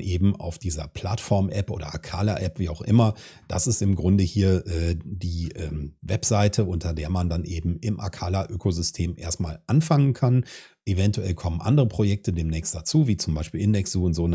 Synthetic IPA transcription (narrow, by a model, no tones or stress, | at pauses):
ʔeːbm̩ʔa̰ʊfd̥iːzɐ̰pʰl̥a̰tfɔɐmʔɛpʔoːdɐ̰ʔa̰kʰaːlaʔɛpv̥iːaʊxʔɪmɐ | d̥a̰sɪstɪmɡʁʊndəhiːɐʔɛːdiːʔɛːmvɛpz̥aɪtʰəʔʊntɐdeːɐmandanʔeːbm̩ɪmʔa̰kʰaːlaʔøːkʰozʏstʰeːmʔḛːɐstmaːlʔanfaŋənkʰan | ʔevɛntuɛlkʰɔmənʔa̰ndəʁəpʁ̥ojɛk̚tədeːmnɛːçstd̥at͡suːviːt͡sʊmbaɪʃpiːlʔɪndɛksz̥uːʊntz̥oːn